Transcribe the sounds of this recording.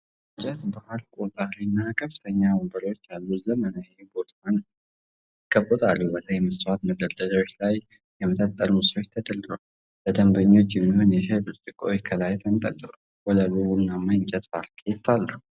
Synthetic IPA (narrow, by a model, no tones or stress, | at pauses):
ɨɲt͡ʃʼɛt̪bahalkʷʼuzʼahɾinːakʰəfːɨ̥t̪ʰəɲːaməmbəɾo̞t͡ʃːjalːuzəmənajebo̞t̪ʰan | ɪɡʼəbʼət̪ʼalːubəlʰəjməswat̪məd̪əd̪əlawot͡ʃːlaj | jɛmət̪ʼət̪ʼːəɾumɨsɾo̞t͡ʃːt̪ʰəd̪əld̪ɨɾal | bəd̪əmbəɲːo̞t͡ʃːɪmːihunjɛɦɨβɨɾt̪ʼɨkʼojkʰəlajt̪ʰənt̪ʼə̰t̪ʼːɨɾolwɔləluwunːamajnt͡ʃʼɛt̪falkʰjɛt̪ʰːalːu